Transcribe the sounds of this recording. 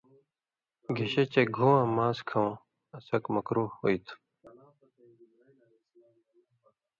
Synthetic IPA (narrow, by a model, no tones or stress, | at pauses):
ɡʱeɕet͡ɕeɡʱũːãːmaːskʰɐ̃ | ɐsɐkmɐkɾuːhoit̪ʰu